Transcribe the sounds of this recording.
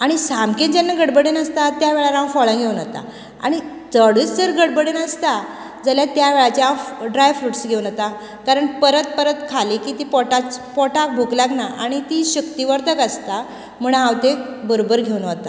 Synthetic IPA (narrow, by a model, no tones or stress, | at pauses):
aɽ̃isamkend͡ʑenːaɡəɽbəɽenəst̪at̪jaʋeɭaɾãwfɔɭə̃ɡʱeunət̪a̰ | a̰ɽ̃i | d͡zəɽət͡sd͡zəɾɡəɽbəɽenəst̪a | d͡zəljat̪jaʋeɭat͡ɕeɦãwɖɾajfuʈsɡʱeunət̪a | kaɾəɳpəɾət̪̚pəɾət̪kʰaliːkiːt̪iːpɔʈat͡spɔʈak̚bʱuklaɡnaʔaɽ̃it̪iːɕəkt̪iʋəɾt̪əkəst̪a | m̤əɳ̃ɦãwt̪ebəɾobəɾɡʱeunət̪a